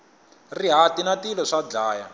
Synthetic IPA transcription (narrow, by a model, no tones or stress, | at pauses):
riɦatinatilɔʂad͡ɮaːja